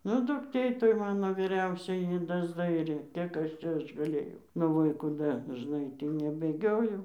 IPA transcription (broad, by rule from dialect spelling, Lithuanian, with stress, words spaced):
nʊ dʊkˈtʲeː toːj ˈmɑːnoː ʋʲiːˈrʲɛʊsʲoːjɪ ˈjɪ dɐzˈdɐɪrʲeː ˈkʲiɛk ˈɐʃ ˈt͡ʃʲɛ ˈɐʃ ɡɐˈlʲeːjɛʊ nʊ ˈʋɐ ɪ kuːˈdɐ dɐʒˈnɐɪ ˈtʲiː nʲɛbʲeːˈɡʲoːjɛʊ